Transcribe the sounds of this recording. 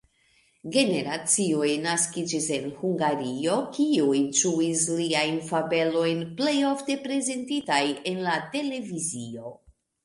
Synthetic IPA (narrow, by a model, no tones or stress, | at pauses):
ɡe̞ne̞ɾat͡sio̞jnaskid͡ʒise̞nhuŋɡaɾio̞kiuijtuisliajnfabe̞lo̞jnple̞jo̞fte̞pɾe̞ze̞ntitaje̞nlate̞le̞vizio̞